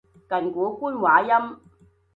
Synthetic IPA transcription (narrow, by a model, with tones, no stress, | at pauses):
kɐ˨˩nkuː˨˥˦kuː˥nwaː˨˧˦jɐ˥m